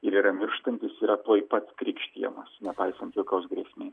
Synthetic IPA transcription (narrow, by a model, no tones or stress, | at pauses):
ɪɾiːɾɐmʲɪɾʃt̪ɐnʲt̪ʲɪsiːɾɐt̪oːjpɐt̪skɾʲiːkʃʲt̪ʲiɛmɐsnʲɛpɐɪsɐnt̪ʋʲɪlˠkʲɐʊsɡɾʲiɛsʲmʲeː